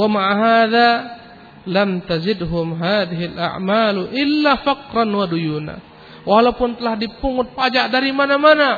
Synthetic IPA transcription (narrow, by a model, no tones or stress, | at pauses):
wamaʕaɦaða | lamt̪azɪdɦʊmɦaːðɪɦilʔa̰ʕmalʔɪlːafaqɾanwadujuna̰ | walawpʊnt̪əlahdipuŋʊt̪̚pad͡ʒaʔdaɾimanamana